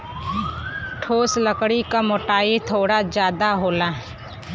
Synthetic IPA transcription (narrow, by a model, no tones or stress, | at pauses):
ʈʰoːsləkɽikamoʈaːit̪ʰoːɽad͡ʒjaːd̪aɦoːlaɦɛ